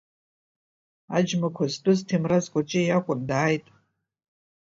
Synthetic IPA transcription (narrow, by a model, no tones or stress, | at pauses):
ad͡ʒmakʷʰaztʼʊztʰemrazkʷʼat͡ʃʼɪjakʷʼʊndaːjtʼ